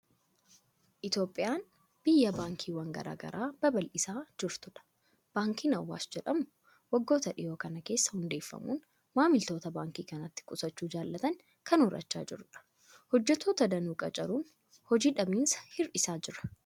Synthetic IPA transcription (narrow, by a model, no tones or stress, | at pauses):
ʔɪt̪jo̞ːpʼːɪjaːn | b̥ɪjːɐbaːŋkʰiːwɐŋɡɐ̰ɾa̰ːɡɐ̰ɾaːb̥ɐbɐlʔɪsaːd͡ʒɪɾt̪ʊᶑɐ̥ | b̥aːŋkiːnɐwːa̰ːsd͡ʒɛᶑɐmʊ | wɐɡːo̞ːt̪ɐᶑɪjoːkɐnɐke̞ːsːɐ̥hʊnd̪e̞ːfːɐ̰mṵːn | maːmɪlt̪o̞ːt̪ɐbaːŋkiːkɐnɐt̪ːɪ̥kʼʊsɐt͡ʃːuːd͡ʒaːlːɐt̪ɐŋ | kɐnɔɾɐ̰t͡ʃːa̰ːd͡ʒɪɾᶑɐ̥ | hɔd͡ʒːɛt̪ʰːoːt̪ɐd̪ɐnuːkʼɐ̰t͡ʃʼɐɾuːn | hɔd͡ʒiːᶑɐbiːnsɐ̥hɪɾᶑɪsaːd͡ʒɪɾɐ̥